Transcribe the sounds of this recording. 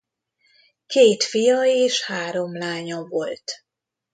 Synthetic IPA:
keːt̪fijɒeːʃhaːɾo̞mlaːɲɒvo̞lt̪

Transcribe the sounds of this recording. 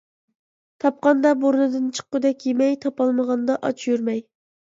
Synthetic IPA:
t̪ʰɑp̚qɑnd̪ɑboɾnɨd̪ɨnt͡ʃʰə̥qːʊd̪ɛkʲjemɛjt̪ʰɑpɑlˠməʁɑnd̪ɑʔɑ̰t͡ʃʰjyɾmɛj

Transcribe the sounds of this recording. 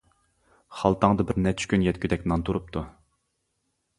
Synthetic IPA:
χɑlˠt̪ʰɑŋd̪ɨbɪɾnɛt̪ʰy̥ʃkʲynjɛt̪kʲʰyd̪ɛkʲnɑnt̪ʰuɾup̚t̪ʰu

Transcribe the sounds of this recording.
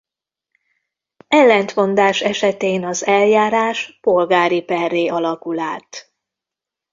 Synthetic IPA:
ɛlːɛnt̪mo̞nd̪aːʃɛʃɛt̪eːnɒzɛljaːɾaːʃpo̞lɡaːɾipɛrːeːʔɒlɒkulaːt̪

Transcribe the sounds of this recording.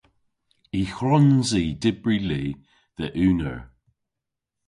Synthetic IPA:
ixɹɔnziːdɪbɹiliː | ðəʔʉːnə̰ɹ

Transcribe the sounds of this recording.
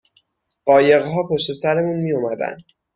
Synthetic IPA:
ɢɒːje̞ɣɦɒːpʰoʃt̪e̞sæɾemuːnmijomæd̪æ̰nd̪

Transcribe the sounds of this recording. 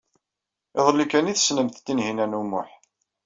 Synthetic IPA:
eðˤəlːikæniθə̥snəmθt̪ːinɦinænumʊ̰ħ

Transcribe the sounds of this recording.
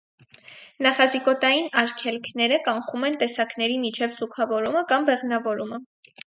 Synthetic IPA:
nɑχɑzikɔt̪ɑjinɑɾkʰɛlkʰnɛɾəkɑɴχumɛnt̪ɛsɑknɛɾimit͡ʃʰɛvzukʰɑvɔɾuməkɑmbɛʁnɑvɔɾumə

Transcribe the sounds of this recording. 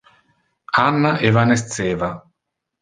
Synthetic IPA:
anːaʔevanes̬t̪seːva

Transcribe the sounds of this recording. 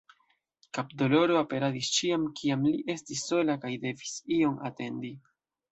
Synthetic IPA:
kapdo̞lo̞ɾoape̞ɾadist͡ʃiamkʰiamliʔe̞stisːo̞lakajde̞visio̞ma̰te̞ndi

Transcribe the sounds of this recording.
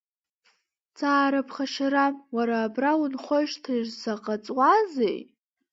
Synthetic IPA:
t͡sʰaːɾapʰχaʃaɾamwaɾaːbrawunχʷoʃtʰɨʒsaqʼat͡sʼwazḛj

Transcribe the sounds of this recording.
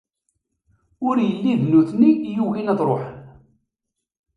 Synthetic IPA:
ʊɾjəlːiðnuθnijuɣinɑðˤɾˤoħən

